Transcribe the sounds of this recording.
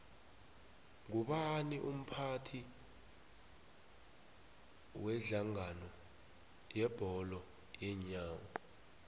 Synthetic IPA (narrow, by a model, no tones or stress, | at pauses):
ŋuɓaniʔum̩pʰatʰi | wɛɮaŋanɔ | jɛb̥ʱɔlɔ | jɛɲaːŋɔ